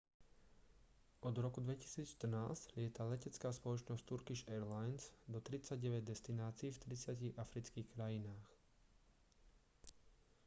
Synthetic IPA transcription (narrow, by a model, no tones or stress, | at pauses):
ʔɔd̪ɾɔkud̪ʋɛci̥siːt͡sʃt̪r̩naːsclɪɛt̪alɛcɛt͡skaːspɔlɔt͡ʃnɔsct̪uɾkiʃɛɾlajnz̥d̪ɔt̪ɾit͡saɟɛʋɛɟ̚d̪ɛst̪inaːt͡siːft̪ɾit͡sɪaciɣafɾit͡skiːxkɾajinaːx